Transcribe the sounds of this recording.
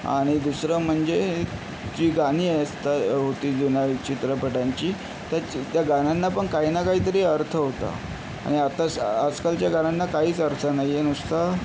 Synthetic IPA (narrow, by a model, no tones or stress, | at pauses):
a̰ɽ̃id̪usɾəm̤əɳd͡ze | d͡ʑiːɡaɽ̃iːəst̪aɦot̪iːd͡zunait͡ɕit̪ɾəpəʈaɲt͡ɕiː | t̪at̪jaɡananːapəɳkaɦiːnakaɦiːt̪̬əɾiːəɾt̪ʰəɦot̪a̰ | a̰ɽ̃iat̪asəd͡zkalt͡ɕjaɡananːakaɦiːt͡səɾt̪ʰənaɦjienust̪a